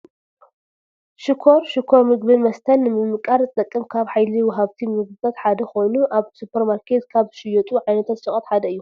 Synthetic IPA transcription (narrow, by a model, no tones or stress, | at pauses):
ʃɪkʰo̞ɾʃɪkʰo̞ɾmɨɡbimɐst̪ʰɐnːɨmɨmːɨkʼaɾzɨt̪ʼɐkʼːɨmkʰaβħajliwɔɦaβt̪ʰimɨɡɨbɐt̪ħad̪ɐkʰo̞jnuʔaβsupʰɐɾmaɾkʰe̞t̪kʰaβʃɪjɔt̪ʼuʕajnɐt̪ʰat̪sɨχʼɐt̪ħad̪ɐɨjːu